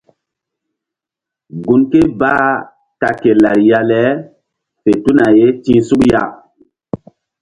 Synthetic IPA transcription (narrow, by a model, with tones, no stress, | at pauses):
ɡu˨nke˦baː˦ | ta˨ke˨la˨ɾja˦lɛ˦ | fe˨tu˦na˨je˦tĩː˦su˦kja˦˨